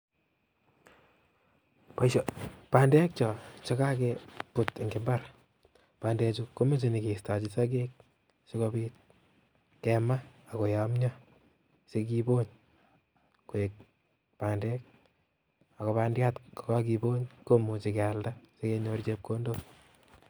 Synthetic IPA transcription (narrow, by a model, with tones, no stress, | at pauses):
pa˨ʃɔpaː˨ndɛ˦k̚t͡ʃɔ˨t͡ʃɔ˦ka˦kɛpu˨te˨ŋɡe˨mbar | paː˨ndɛ˧t͡ʃuko˦me˦t͡ʃe˨ni˨ke˨sta˨t͡ʃisa˦k̬e˦k̚ | se˦ko˧biːt̚ | kɛma˦a˨ko˨ja˨mɲa˦ | se˦k̬i˦bo˦ɲ | ku˨e˨k̚ | paː˨ndɛ˦k̚ | a˨kɔ˨pa˧ndja˦tkɔ˨kak̬i˧bo˦ɲko˦mu˨t͡ʃi˨ka˨ldase˦ke˧ɲo˧rt͡ʃe˦p̚ko˦ndo